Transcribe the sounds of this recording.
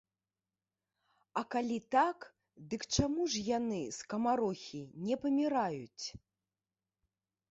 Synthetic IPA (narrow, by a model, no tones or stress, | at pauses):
ɐkalʲit̪ak | d̪ɨkt͡ʂamuʐjanɨskɐmaɾɔxʲinʲɛpɐmʲiɾajut͡sʲ